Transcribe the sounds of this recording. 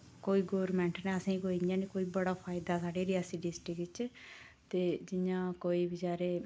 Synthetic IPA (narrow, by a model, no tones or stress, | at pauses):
koːiːɡoːɾmɛ̃ːɳʈnɛːəsãĩkoːiãːniːkoːiːbəɽaːpʰaːjɪd̪aːsaːɖeːɾiaːsiːɖɪsʈikɪt͡ʃ | t̪eːd͡ʒɪɲãːkoːiːbɪd͡ʒaːɾeː